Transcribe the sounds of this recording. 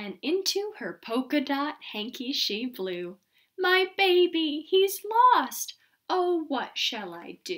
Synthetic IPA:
ɨ̃nɪ̃ntʰʉə˞pʰoʊkɨdɑt̚hæ̃ŋkʰiʃiblʉ | maɪbeɪbihizlɔst | oʊwʌtʃɨlˠaɪd̥ʉ

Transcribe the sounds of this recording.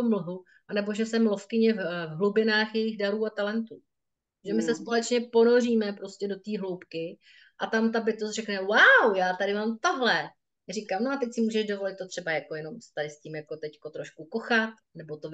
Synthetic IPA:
oml̩ɦu | ʔanɛbo̞ʒɛsɛmlo̞fkɪɲɛvvɦlubɪnaːxjɛjɪxdaɾuːat̪alɛnt̪uː | ʒɛmɪsɛspo̞lɛt͡ʃɲɛpo̞no̞riːmɛpɾo̞scɛdo̞t̪iːɦlo̞wpkɪ | ʔat̪amt̪abɪt̪osrɛknɛwawjaːt̪aɾɪmaːmt̪aɦlɛ | rikamnoat̪ɛcsɪmuːʒɛʃdo̞vo̞lɪt̪̚ːot̪r̝ɛbajako̞jɛno̞mst̪adɪscimjako̞t̪ɛcko̞t̪ɾoʃkuko̞xat̪ | nɛbo̞t̪o

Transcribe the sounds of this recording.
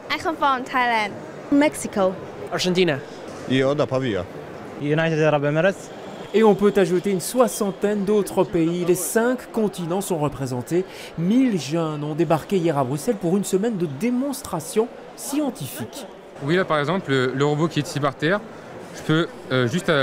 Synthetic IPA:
akə̃nfamt̪ʰajlãnd̪ | mɛksiko | aɾʒɑ̃nt̪ina | jad̪apavya̰ | junajt̪ed̪aɾabamɛɾɪds | eɔ̃pøt̪aʒut̪eynswasɑ̃t̪ɛnd̪ot̪χəpeilesɛ̃kːɔ̃t̪inɑ̃sɔ̃ʁəpχezɑ̃t̪e | milʒœnɔ̃d̪ebaʁkʲeijɛʁabʁysɛlpuʁynsəmɛnd̪əd̪emɔ̃st̪χasjɔ̃ | sjɑ̃t̪ifik | wilapaʁɛɡzɑ̃plələʁəbokʲiɛt̪sipaʁt̪ɛʁ | ʒ̥əpø | øʒyst̪a

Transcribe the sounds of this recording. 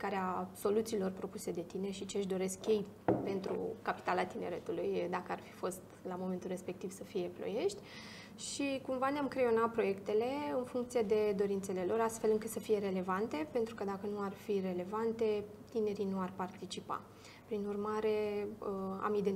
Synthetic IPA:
kaɾeaso̞lut̪siːlo̞rpɾo̞puse̞d̪e̞t̪ine̞ʃit͡ʃeʃ̬d̪o̞ɾe̞skʲːe̞jpe̞nt̪ɾṵkapi̥t̪alat̪ine̞̰ɾe̞t̪ulujd̪akəarfi̥fo̞st̪lamo̞ment̪ulre̞spe̞k̚t̪iv̥səfije̞plo̰je̞ʃt̪ʲ | ʃikumvaneamkɾeo̞nat̪̚pɾo̞je̞kt̪e̞le̞ɨnfuŋkt̪sije̞d̪e̞d̪o̞ɾint̪se̞le̞lo̞ɾast̪fe̞lɨŋkɨt̪səfije̞ɾe̞le̞vant̪e̞pe̞nt̪ɾukəd̪akənuarfire̞le̞vant̪e̞ | t̪ine̞ɾinuarpart̪it͡ʃipa̰ | pɾinurmaɾe̞əa̰mid̪e

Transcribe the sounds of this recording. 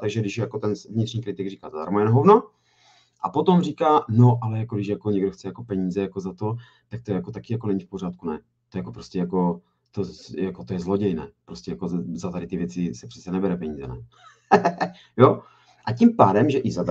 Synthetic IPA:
t̪aɡʒɛɡdɪʃjakot̪ɛnvɲɪt̪r̥ɲiːkɾɪt̪ɪɡriːkaːzadaɾmojɛnoɦovno | ʔa̰pot̪o̞mriːkaːno̞ʔalɛjakodɪʃjakoɲɛɡdoxt͡sɛjako̞pɛɲiːzɛjako̞zat̪o̞ | t̪ak̚t̪ojakot̪akɪjakonɛɲifpor̝aːt̪̚kunɛ | t̪ojakopɾoscɛjako̞ | t̪ojakot̪ojɛzloɟɛjnɛːpɾoscʲɛjako̞zat̪adɾɪt̪ɪvjɛt͡sɪsɛpr̥ɛ̥t͡sɛnɛbɛɾɛpɛɲiːzɛ̰nɛ̰ | jo | ʔacimpaːdɛmʒɛʔɪzad

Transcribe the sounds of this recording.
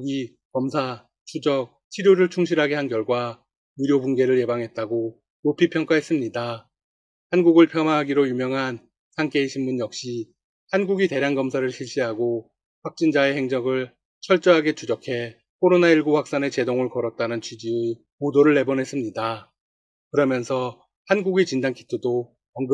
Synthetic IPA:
ɡi | kʌmsʰa | t͡ɕʰud͡ʑʌk̚t͡ɕʰiɾjoɾɯɭt͡ɕʰuŋɕʰiɾɦaɡe̞ɦankjʌɭɡwa | uɾjobunɡe̞ɾɯɭje̞baŋɦe̞t̚t͈aɡo | nopʰipʰjʌŋk͈aɦe̞s͈ɯmɲida | hanɡuɡɯɭpʰjʌmaɦaɡiɾojumjʌŋɦan | sʰaŋk͈e̞iɕʰinmunjʌk̚ɕ͈i | hanɡuɡite̞ɾjanɡʌmsʰaɾɯɭɕʰiɭɕ͈iɦaɡo | ɸwak̚t͡ɕ͈ind͡ʑae̞he̞ŋd͡ʑʌɡɯɭ | t͡ɕʰʌɭt͡ɕ͈ʌɦaɡe̞t͡ɕud͡ʑʌkʰe̞ | kʰoɾonaiɭɡoɸwak̚s͈ane̞t͡ɕe̞doŋɯɭkʌɾʌt̚t͈anɯnt͡ɕʰɥid͡ʑie | podoɾɯɭːe̞bʌnɦe̞s͈ɯmɲida | kɯɾʌmjʌnsʰʌ | hanɡuɡit͡ɕindaŋkʰi̥tʰɯdo | ʌŋɡ

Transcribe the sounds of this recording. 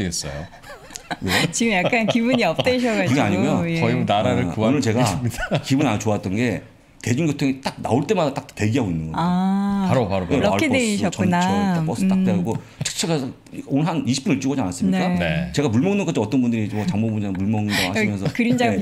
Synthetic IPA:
iɡes͈ʌ̰jo | wet͡ɕiɡɯmjakk͈ankibuɲiʌp̚t͈eɕ̬ʰʌɡakɯɡɡeaɲiɡojojʌinaɾaɾɯɭunɯɭt͡ɕe̞ɡamːidakibunat͡ɕoat͈ʌnɡe̞ | te̞d͡ʑuŋɡjotʰoŋet͈ak̚na̰oɭt͈e̞madat͈ak̚te̞ɡiɦaɡoinːɯnɡʌ̰apaɾopaɾoeʌaɭeeiɕʰʌkt͡ɕʌunatap͈ʌsɯ̥t͈ak̚t͈eɡo | t͡ɕʰɯ̥t͡ɕʰeɡa | onɯɭɦaniɕʰi̥p͈unet͡ɕ͈uɡʌd͡ʑianas͈ɯmɲinek͈aet͡ɕe̞ɡamuɭmʌŋnːɯŋk͈ʰat͡ɕʰʌt͈ʌnbundɯɾid͡ʑmʌt͡ɕaŋmobuɲd͡ʑamuɭmʌŋnɯndaɡhaɕimjʌnsʰʌkɯɾind͡ʑaɡe

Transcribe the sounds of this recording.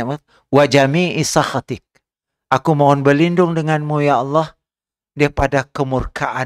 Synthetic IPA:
wad͡ʒamiisaxat̪ɪk̚ | ʔakumaʊnbərlindʊŋdəŋanmujaɑlːah | depadakəmurkʰaʔa

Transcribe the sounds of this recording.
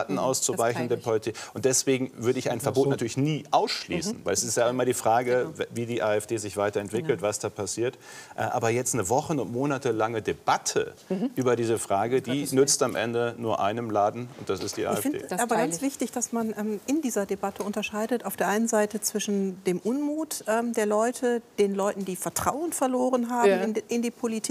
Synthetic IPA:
tn̩ʔa̰ʊst͡suvaɪçn̩deːɐpʰɔlitʰɪkʊntd̥ɛsv̥eːɡŋ̩vʏɐɾəɪça̰ɪnfɛɐboːtnatʰyɐlɪçniːʔaʊsʃlḭːsn̩vaɪlɛsɪstjaʔɪmaːldiːfʁ̥aːɡəviːdiːʔaːɛfd̥eːzɪçv̥aɪtɐɛntv̥ɪkl̩tv̥asd̥aːpʰasiːɐt | ʔɛʔa̰ːbɐjɛt͡stnəvɔχənʊntmoːnatəlaŋədeb̥atʰə̰ | ʔyːbɐdiːzəfʁ̥aːɡədiːnʏt͡stamʔɛ̰ndənuːɐʔa̰ɪnəmlaːdn̩ʊnt̚d̥asɪstd̥iːʔa̰ɪɛfɪ̰aːbɐɡant͡sv̥ɪçtɪçd̥asmanʔɛːmɪndiːzɐdebatʰəʊntɐʃaɪdətʔaʊfd̥eːɐʔaɪnənzaɪtət͡sv̥ɪʃn̩d̥eːmʔʊnmuːtʔɛːmdeːɐlɔʏtʰəd̥eːnlɔʏtn̩diːfɛɐtʁ̥a̰ʊənfɛɐloːʁənɦaːmmɪnɪndiːpʰolitʰi

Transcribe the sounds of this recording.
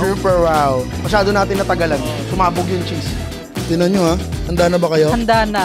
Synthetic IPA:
suːpɛɹwaw | mɐʃaːd̪onaːt̪ɪnːɐt̪ɐɡɐlansʊmaːbʊɡjʊŋt͡ʃis | t̪ɪnɐnɲoahɐnd̪aːnɐbɐkɐjo̞ɐnd̪aːnɐ

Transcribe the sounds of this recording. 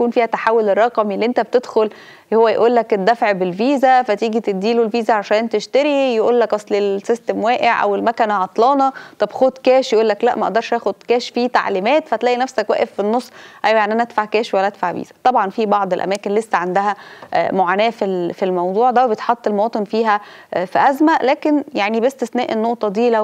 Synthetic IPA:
kuːnfiːhæt̪aħawːolerˤːɑqɑmelːiʔent̪æb̚t̪ed̪xol | howːæjeʔuːlːæket̪̚d̪æfʕbelviːzæfæt̪iːɡit̪ed̪ːiːlolviːzæʕaʃæːnt̪eʃt̪æɾijeʔuːlːækʔɑsˤlelsest̪emwæːʔeʕʔæ̰welmækænæʕɑt̪ˤlɑːnɑt̪ˤɑbxod̪kæːʃjeʔuːlːæklæʔmæʔɑ̰ʔd̪ɑɾˤʃʔæːxod̪̥̚kæːʃfiːt̪a̰ʕliːmæːt̪fæt̪læːʔinæfsækwæ̰ːʔefːinːosˤːʔæjwæjanʔænæʔæd̪faʕkæːʃwælːæʔæt̪faʕvḭːz̥æ̥t̪ˤɑbʕɑnfibɑʕd̪ˤelʔæ̰mæːkenlesːæʕand̪æhæmoʕaːnæːfifilmɑwd̪ˤuːʕd̪æwebet̪ħɑt̪ˤːelmowɑːt̪ˤenfiːɦæfiʔæzmæʔlæːkenjaʕnibest̪eθnæːʔenːoʔt̪ˤɑd̪iːlæ

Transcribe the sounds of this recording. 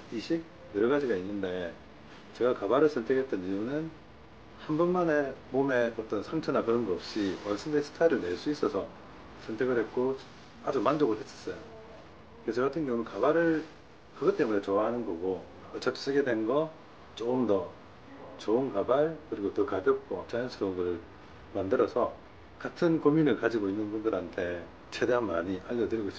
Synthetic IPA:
iɕʰik̚ | jeɾʌɡad͡ʑiɡainːɯndae | t͡ɕe̞ɡakabaɾɯɭsʰʌntʰekʰe̞t͈ʌnijunɯn | hanbunmane̞mome̞ʌt͈ʌnsʰaŋt͡ɕʰʌnakɯɾʌnɡʌʌp̚ɕ͈imaɭs͈ʰɯndesʰɯ̥tʰaiɾɯɭne̞ɭs͈uis͈ʌsʰʌ | sʰʌntʰeɡɯɭhet̚k͈o | ad͡ʑumand͡ʑʌɡoɦe̞s͈ʌ̥s͈ʌjo | kɯesʰʌkatʰɯnɡjʌŋunɯnkabaɾɯɭ | kɯɡʌt͈e̞mune̞t͡ɕoaɦanɯnɡʌɡo | ʌt͡ɕʰat͡ɕ͈ʰi̥sʰɯɡe̞dwe̞nɡʌ | t͡ɕoɯmdʌ | t͡ɕoɯnkabaɭkɯɾiɡotɯkabjʌk̚k͈ot͡ɕajʌnsʰɯoɡɯɯɭ | mandɯɾʌsʰʌ | katʰɯnkominɯɭkad͡ʑiɡoinːɯnbundɯɾɦantʰe̞ | t͡ɕʰe̞deɦanmaɲiʔaʎːʌtɯɾiɡoiɕ͈i

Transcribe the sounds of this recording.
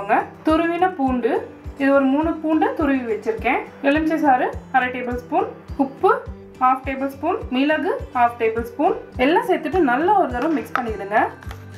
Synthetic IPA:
ŋɡɐt̪ʊɾɯʋɪnɐpuːɳɖɯɪðɯɔɾɯmuːɳɯpuːɳɖɐt̪ʊɾɯʋiʋɛt͡ʃːɪɾɯkːẽːɛlɐmt͡ʃːɐs̬aːɾɯkɐɾɐʈeːbɐlspuːnkʊpːɯ | haːfʈeːbɐlspuːnmilɐɣɯhaːfʈeːbɐlspuːnɛlːãːsɛːɾt̪ːɯʈ̬ːɯnɐlːɐɔɾɯðɐɾɐ̃mːɪkspɐɳːɪkɪɾɯŋɡɐ

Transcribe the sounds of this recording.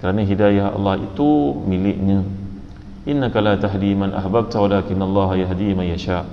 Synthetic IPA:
kəɾanãɦidajahʔɑ̰lːɑhḭt̪umilɪʔɲə̃ | ʔɪnːakalaːt̪aɦd̪imanʔa̰hbab̚t̪awalaːkɪnːalˤːɑːɦajaɦd̪imanjaʃaːʔ

